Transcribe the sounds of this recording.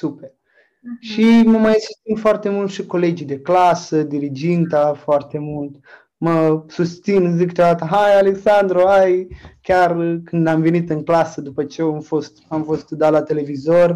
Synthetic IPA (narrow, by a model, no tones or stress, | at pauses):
super | ʃiməmajsust̪sinfoart̪e̞mult̪ʃiko̞le̞d͡ʒid̪e̞klasəd̪iɾid͡ʒint̪afoart̪e̞mult̪ | məsust̪sinzikːt͡ʃad̪at̪əɦajale̞ksand̪ɾoajkʲarkɨnd̪amve̞nit̪ɨŋklasəd̪upət͡ʃejeamfo̞st̪amfo̞st̪d̪alat̪e̞le̞vizo̞r